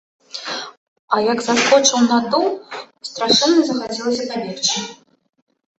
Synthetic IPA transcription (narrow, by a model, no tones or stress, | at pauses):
ɐjɐɡzaskɔt͡ʂɐwnad̪uw | st̪ɾaʂɛnːɐzɐxad͡zʲilˠɐsʲɐpavʲert͡ʃi